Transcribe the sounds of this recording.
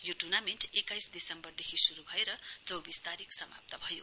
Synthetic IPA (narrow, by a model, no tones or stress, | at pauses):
joʈurnameɳʈekajsd̪isʌmbʌrd̪ekʰisuɾubʱʌeɾʌt͡sʌwbist̪aɾiksʌma̰p̚t̪ʌbʱʌjo̰